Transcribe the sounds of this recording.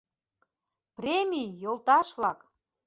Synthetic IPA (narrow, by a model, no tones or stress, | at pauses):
prʲemʲijjolˠt̪ɑʃβlɑk